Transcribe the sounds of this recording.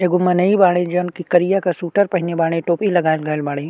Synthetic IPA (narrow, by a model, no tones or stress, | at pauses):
eɡʊmːɐnɐibaːɽ̃ẽd͡ʒɐnkikɐɾijakasuːʈəɾpɐɦɪnebaːɽ̃ẽʈoːpilɐɡaːɪlɡaːɪlbaːɽ̃eː